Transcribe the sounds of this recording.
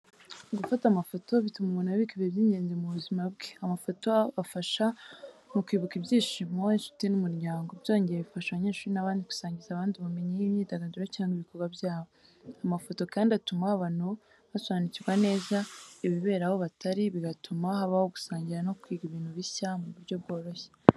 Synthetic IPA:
ɡufatamafo̞to̞βitumaβonaβikiβebjiːɲɟe̞ːnzemuβuzimabɡeamafo̞to̞βafaʃamukwiːβukibjiːʃimoinʃu̥tinumuɾjaːŋɡo̞bjo̞ːɲɟeeβifaʃaβaɲe̞ːʃuːɾinaβaːndiku̥saːɲɟizaːβaːndiβame̞ɲejimɲiːdaɡaduɾacaːŋɡiβikoɾɡwabjaːβo | amafo̞to̞kaːndiatumaaβan̥u | βaswaːniciɾɡwane̞ːzaiβiβe̞ːɾaho̞βataɾiβiɡatumahaβahoɡu̥saːɲɟiɾano̞kwiːɡiβiːn̥huβiçamuβuɾɟo̞bɡo̞ːɾo̞çe̥

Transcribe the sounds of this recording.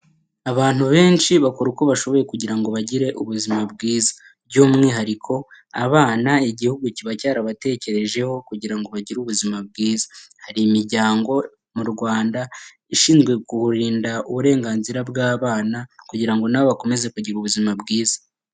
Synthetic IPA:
aβaːn̥huβe̞ːnt͡ʃiβakuɾuko̞βaʃo̞βo̞je̞kuɟiɾaŋɡo̞βaɟiɾe̞ʔuβuzimab̚ɡiːzḁ | bɟuːmŋiɦaɾikʰo̞a̰βaːnaiɟihuɡuciβacaːɾaβate̞ːce̞ɾe̞ʒe̞ho̞kuɟiɾaŋɡo̞βaɟiɾuβuzimab̚ɡiːzḁhaɾimiɾɟaːŋɡo̞ | muɾɡwaːnda | iʃiːnzɡwe̞kuhuɾiːndauβuɾe̞ːŋɡaːnziɾabɡaːβaːnakuɟiɾaŋɡo̞naβoβako̞me̞ze̞kuɟiɾuβuzimabɡiːza

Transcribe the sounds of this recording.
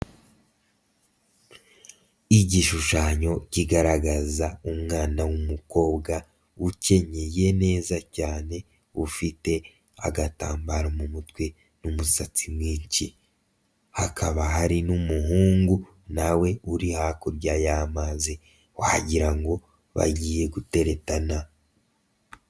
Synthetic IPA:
iɟiʃuʃaːɲo̞ciɡaɾaɡazaumŋaːnawumuko̞ːbɡa | uce̞ɲeje̞ne̞ːzacaːne̞ | ufite̞ | a̰ɡataːmbaɾomumutkwe | numusat͡simwiːɲt͡ʃi | hakʰaβaɦaɾinumuɦuːŋɡu | nawe̞uɾihakoɾɟaːjamaːze | waha̰ɟiɾaŋɡo̞ | βa̰ɟiːje̞ɡute̞ɾe̞tana

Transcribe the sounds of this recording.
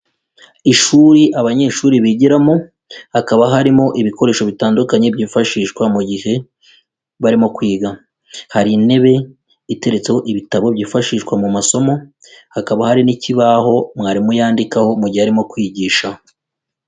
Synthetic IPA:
iʃuɾiʔaβaɲe̞ʃuːɾiβiɟiɾamo | hakaβaɦaɾimo̞ʔiβiko̞ɾe̞ːʃo̞βitaːndukaɲe̞bjiːfaʃiːʃkwamuɟihe̞ | βaɾimo̞kwiːɡa | haɾine̞βe̞ | ite̞ɾe̞t͡se̞ho̞ʔiβitaβo̞bjiːfaʃiːʃkwamumaso̞mo̞ | hakaβahaɾiniciβaɦo̞mŋaːɾimujaːndikaho̞muɟiheaɾimo̞kwiːɟiːʃa

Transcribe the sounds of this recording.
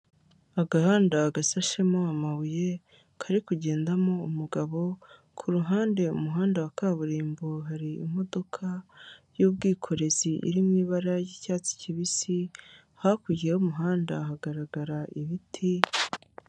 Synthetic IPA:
aɡahaːndaɡasaʃemoamaβuje̞ | kʰaɾikuɟe̞ːndamo̞umuɡaβo̞ | kʰuɾuɦaːnde̞ṵmuɦaːndawakaːβuɾiːmboɦaɾiḭm̥o̞do̞kʰajub̚ɡiːkʰo̞ɾe̞ziʔḭɾimŋiːβaɾajicaːt͡si̥ciβisi | hakuɟieumuɦaːnda̰haɡaɾaɡaɾaʔiβitʰi

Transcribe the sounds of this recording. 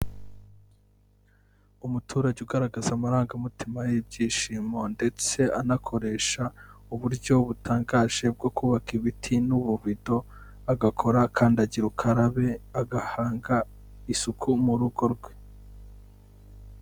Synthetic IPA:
umutʰuːɾaɟeuɡaɾaɡazamaɾaːŋɡamutʰimajib̚ɟiːʃiːmo̞nde̞t͡se̞anakʰo̞ɾe̞ʃauβuɾɟo̞βutʰaːŋɡaːʒe̞b̚ɡo̞kuːβakiβitʰinuβuβido̞ | aɡakʰo̞ɾakʰaːndaɟiɾukʰaɾaβe̞aɡahaːŋɡa | isukʰumuɾuɡo̞ɾɡwe̞̥

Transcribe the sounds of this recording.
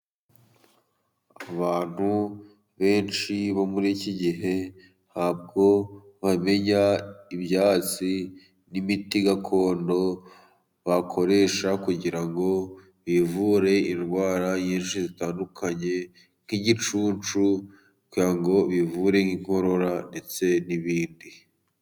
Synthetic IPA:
aaβaːn̥hu | βe̞ːnʃiβomuɾiciɟiɦe̞ | haːb̚ɡo̞ | βame̞ɲaibjaːt͡si | nimitiɡakʰo̞ːndo̞ | βakʰo̞ɾe̞ʃakuɟiɾaŋɡo̞ | βivuːɾe̞inɡwaːɾajeːnʃizitaːndukʰaɲe̞ | ŋ̥hiɟit͡ʃuːnt͡ʃu | kuaŋɡo̞βivuɾe̞ŋiŋ̥ho̞ɾo̞ɾande̞t͡se̞niβiːndi

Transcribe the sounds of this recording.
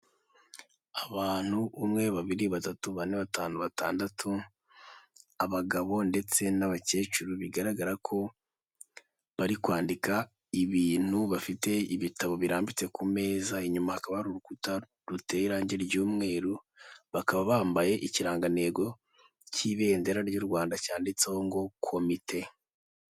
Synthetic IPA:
aβaːn̥huumŋe̞βaβiɾiβatatuβaɾineβataːnuβataːndatʰu | aβaɡaβo̞nde̞t͡se̞naβace̞ːt͡ʃuɾuβiɡaɾaɡaɾakʰo̞ | βaɾikwaːndika | iβiːn̥huβafite̞iβitaβo̞βiɾaːmbit͡se̞kʰume̞ːzaiɲumahakaβaɾuɾukuta | ɾute̞ɾaːɲɟe̞ɾɟuːmŋe̞ːɾu | βakaβaβaːmbaje̞ʔiciɾaːŋɡane̞ːɡo̞ | ciβe̞ːnde̞ɾaɾɟuɾɡwaːndacaːndit͡sehoŋɡo̞kʰo̞mitʰe̞

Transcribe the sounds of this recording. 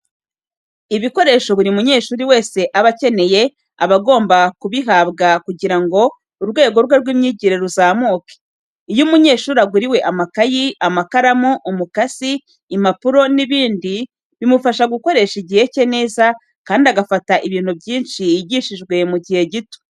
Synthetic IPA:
iβiko̞ɾe̞ːʃo̞βuɾiumuɲe̞ːʃuːɾiwe̞ːse̞ʔaβace̞ne̞je̞ | aβaɡo̞ːmbakuβiɦaːβɡakuɟiɾaŋɡo̞ | uɾɡwe̞ːɡo̞ɾɡweɾɡwiːmɲiɟiɾeɾuzaːmuːke̥ | ijumuɲe̞ːʃuːɾaɡuɾiwe̞ʔamakajiamakaɾamuʔːmukaziː | mapuɾo̞niβiːndi | βimufaʃaɡuko̞ɾe̞ʃiɟihe̞ce̞ne̞ːza | kaːndiaɡafataʔiβiːn̥hubɟiːnʃiɟiʃiʒɡwe̞muɟihe̞ɟito̥

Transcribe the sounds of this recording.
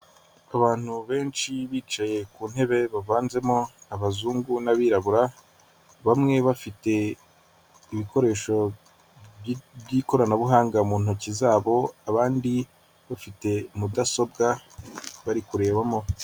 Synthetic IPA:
aβaːn̥huβe̞ːnt͡ʃiβiːt͡ʃaje̞kuːn̥he̞βe̞βavaːnze̞mo̞aβazuːŋɡunaβiːɾaβuɾa | βamŋe̞βafite̞ | iβiko̞ɾe̞ːʃo̞ | bɟiːko̞ɾanaβuɦaːŋɡamuːnhocizaːβo̞aβaːndi | βafite̞mudaso̞b̚ɡa | βaɾikuɾe̞ːβamo̞

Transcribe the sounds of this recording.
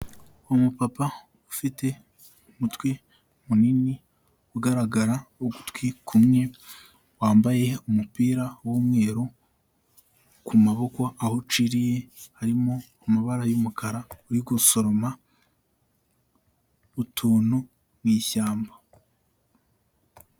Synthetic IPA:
umupapa | ufite̞ | umutwi | munini | uɡaɾaɡaɾaoɡu̥tkwikʰumŋe̞ | waːmbaje̞umupiːɾawomŋe̞ːɾo | kumaβo̞koahot͡ʃiɾije̞haɾimo̞ | amaβaɾajumukʰaɾauɾiɡoso̞ɾo̞ma | βutʰuːnu | mŋiːçaːmba

